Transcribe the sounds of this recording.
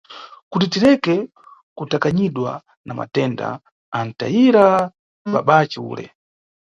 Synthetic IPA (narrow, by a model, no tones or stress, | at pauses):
kutitiɾɛkɛ | kutakaɲiɗwa̰ | nama̰tɛːnda̰ | an̩ta̰iɾa | ɓaɓat͡ʃɛṵːlɛ̰